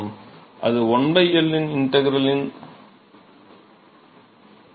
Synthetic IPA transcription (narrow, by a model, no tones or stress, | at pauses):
mʔɐ̰ðɯɔɳbɐɪɐlːɪnɪnʈɐɣɪɾɐlɪn